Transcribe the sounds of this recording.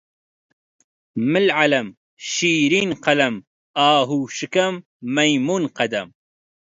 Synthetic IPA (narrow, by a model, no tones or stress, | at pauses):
mɨlʕalɐm | ʃiːɾiːnqɐlɐm | aːɦuːʃɨkɐmː | ɐjmuːnqɐd̪ɐm